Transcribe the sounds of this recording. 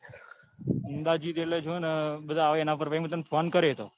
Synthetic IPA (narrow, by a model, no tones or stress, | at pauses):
ɪnd̪aːd͡ʒiːd̪eled͡ʒonəɓəd̪ʱaːʋeːnãpəɾʋəmət̪ənpʰonkəɾet̪o̰ː